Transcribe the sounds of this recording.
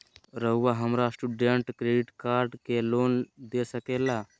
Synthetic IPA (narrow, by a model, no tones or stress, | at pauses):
ɾəɦʋaɦəmɾasʈuɖeɳʈkɾeɖiʈkaɾɖkelond̪esəkela